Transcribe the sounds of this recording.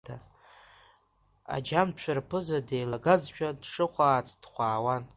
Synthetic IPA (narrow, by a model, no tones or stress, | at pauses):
a | a̰d͡ʒamt͡ʃʷʰᶣarpʰɨzadejlaɡazʃᶣadʂɨχʷaːt͡sʰʼd̥χʷaːwan